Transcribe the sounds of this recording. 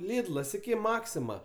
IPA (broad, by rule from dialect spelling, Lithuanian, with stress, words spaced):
ˈlʲɪdlˠɐs ɪˈkʲɪ ˈmɑːksʲɪmɐ